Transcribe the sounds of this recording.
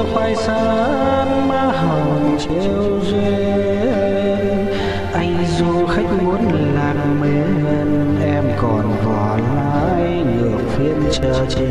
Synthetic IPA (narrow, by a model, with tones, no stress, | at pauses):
xaː˧jsaː˧ | nmaː˧˥ɦə˨˩nt͡ɕe˧wze˧ | n | ʔa˧jŋ̟zo˧xa˦˥jk̟̚mu˨˦ən | laː˨˩ŋ̚ | me˨˩ne˧n | ʔɛ˧mkɔ˨˩nvɔ˨˩laː˧˦j | ɗɨ˨˩ək̚fi˧ənt͡ɕəː˧˩t͡ɕ